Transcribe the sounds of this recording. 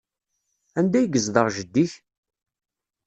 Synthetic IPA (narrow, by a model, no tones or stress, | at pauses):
ænd̪æjɡəzðəʁʒəd̪ːiç